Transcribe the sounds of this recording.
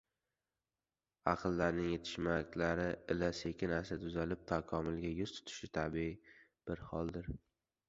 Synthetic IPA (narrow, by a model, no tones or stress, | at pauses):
ɑqʰɨlˠːaɾnɪŋjet̪ʰɪ̥ʃmakʲlaɾɪɪlase̞kʲʰɪnasat̪ʰʊzalɪp̚t̪ʰakʰɒmɪlˠɡʲajʊz̥t̪ʰʊ̥t̪ʰɪ̥ʃɪt̪ʰabiɪ | b̥ɪɾhɒlˠd̪ɪɾ